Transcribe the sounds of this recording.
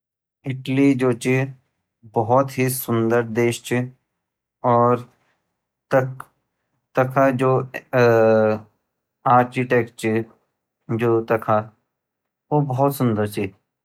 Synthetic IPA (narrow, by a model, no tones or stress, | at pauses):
ɪʈlid͡ʒoːt͡ʃi | bɔɦɔt̪ɦisʊ̃nd̪əɾd̪eːʃt͡ʃi | ɔːɾ | t̪ɐk | t̪ɐkʰad͡ʒoː | aːɾkiʈeːk̚ʈt͡ʃi | d͡ʒoːt̪ɐkʰa | obɐɦɔt̪sʊ̃nd̪əɾt͡ʃi